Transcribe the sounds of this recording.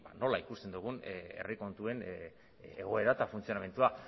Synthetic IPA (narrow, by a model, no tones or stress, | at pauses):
ba̰no̞laikust̪e̞nd̪uɣ̞une̞̰riko̞nt̪ue̞n | eɣ̞o̞e̞ɾat̪afunt͡sijo̞name̞nt̪ua